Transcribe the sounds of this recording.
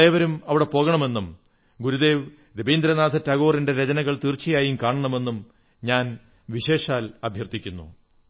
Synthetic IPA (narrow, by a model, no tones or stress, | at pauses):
e̞ːʋɐɾumɐʋiɽe̞po̞ːɣɐɳɐme̞nːum | ɡuɾud̪e̞ːʋ | ɾebiːnd̪ɾɐnaːd̪ʰʱɐtɐɣo̞ːrinde̞ɾed͡ʑɐnɐɣɐɭt̪irt͡ɕːijaːjimkaːɳɐɳɐme̞nːum | ɲaːn | ʋiɕe̞ːʂaːlɐbʱjɐrt̪ikʲːunːṵ